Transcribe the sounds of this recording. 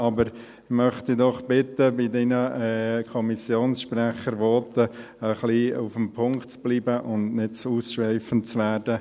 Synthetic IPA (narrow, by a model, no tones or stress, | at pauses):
ɑbəɾ | mœχt̪idɔχb̥ɪt̪əbɪdinəɛkʰɔmisjoːnsʃprɛχəɾʋɔːtə | əχliufəmpʰʊŋktt͡sb̥liːbəʔʊndnɪt̚t͡suːsʃʋɛɪfənt͡sʋæːɾdə